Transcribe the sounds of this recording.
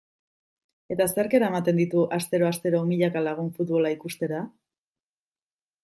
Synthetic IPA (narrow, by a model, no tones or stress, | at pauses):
e̞t̪aseeɾke̞ɾaemat̪e̞nd̪it̪uʔast̪e̞ɾo̞ast̪e̞ɾomiʎakalaɣ̞uɱfut̪βo̞laikust̪e̞ɾa